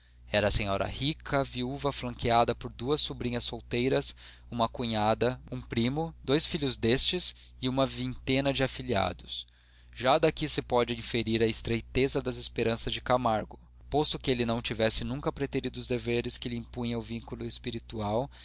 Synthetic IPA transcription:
ɛɾɐːsẽɲɔɾɐ̰hikʰɐviuvɐflɐ̃ŋkead̪ɐpoɾd̪uɐsːubɾĩɲɐsːowt̪ejɾɐs | ũmɐkuɲad̪ɐũpɾĩmʊd̪ojsfiʎʊzd̪est͡ʃɪs | ɪũmɐvĩnt̪ẽnɐd͡ʒɪafilia̰d̪ʊs | ʒad̪akisɪpɔd͡ʒɪĩfeɾiɾɐɪst̪ɾejt̪ezɐd̪ɐzɪspeɾɐ̃sɐzd͡ʒɪkamaɾɡʊ | pɔst̪ʊkɪelɪnɐ̃w̃t͡ʃivɛsɪnũŋkɐpɾet̪eɾid̪ʊʊzd̪eveɾɪskɪlɪĩpũɲɐʊvĩŋkulʊespiɾit̪uaw

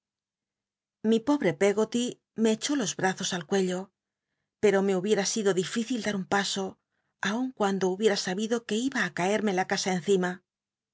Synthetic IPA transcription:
mipo̞βɾe̞pe̞ɣo̞t̪i | me̞ːt͡ʃo̞lo̞zβɾaθo̞salkweʎo̞ | pe̞ɾo̞me̞uβje̞ɾasiðo̞ðifiθild̪aɾumpaso̞ | auŋkwand̪ouβje̞ɾasaβiðo̞ke̞iβaːkae̞ɾme̞lakasaen̟θima

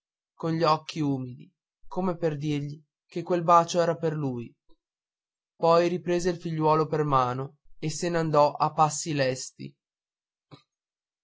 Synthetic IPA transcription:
konʎiɔkʰːiuːmid̪i | komeperd̪irʎi | kekːwelbaːt͡ʃoɛːɾaperluːj | pɔjɾipɾeːzeilfiʎːwɔːlopermaːnoeseneand̪ɔʔapːasːilɛst̪ḭ

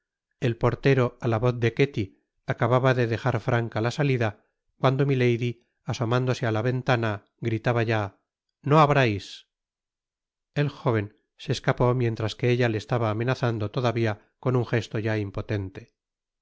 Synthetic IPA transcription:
e̞lpo̞ɾt̪e̞ɾo̞alaβo̞θd̪e̞ke̞t̪i | akaβaβaðe̞ðe̞xaɾfɾaŋkalasaliða | kwand̪o̞mile̞jði | aso̞mãnd̪o̞sealaβe̞nt̪ana | ɡɾit̪aβaʝa | no̞aβɾajs | e̞lxo̞β̞e̞n | seːskapo̞mje̞nt̪ɾaske̞eʎale̞ːst̪aβaːme̞naθand̪o̞t̪o̞ðaβia | ko̞nuŋxe̞st̪o̞ʝaimpo̞t̪e̞nt̪e̞

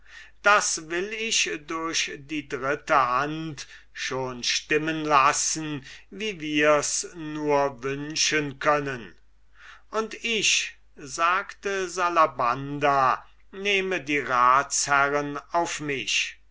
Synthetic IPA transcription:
d̥asvɪlɪʃdʊɐɕdiːdʁɪtəhant | ʃoːnʃtɪmənlasn̩viːviːɐsnuːɐvʏnʃənkʰœnən | ʔʊntɪʃ | zaːktəzalabanda | neːmədiːʁaːtshæʁənaʊfmɪʃ

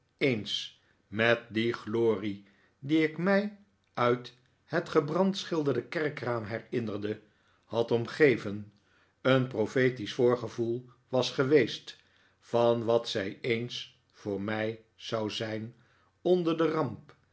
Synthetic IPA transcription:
ejns | mɛt̚diχloːri | diɪkmɛj | œɥt | hətχəbrɑntsχɪlˠdəɹdəkɛɹkraːmɦɛɹɪnərdə | hɑtɔmχejvən | ənprofejtisfʊːɹχəvulˠ | ʋɑsχəʋejst | fɑnʋɑtsɛjejns | fʊːɹmɛj | zɑwzɛjn | ɔndəɹdərɑmp

